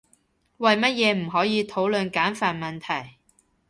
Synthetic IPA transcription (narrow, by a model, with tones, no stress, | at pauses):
wɐ˨jmɐ˥t̚jɛː˨˧m̩˨˩ɦɔː˨˥jiː˨˧t̪ʰo˨˥wlɵ˨˧nkaː˨˥nfaː˨nmɐ˨nt̪ʰɐ˨˩j